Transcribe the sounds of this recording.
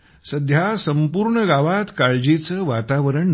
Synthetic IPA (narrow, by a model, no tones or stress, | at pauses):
səd̪ʱjasəmpuɾɳəɡaʋat̪kaɭd͡ʑit͡səʋat̪aʋəɾəɳ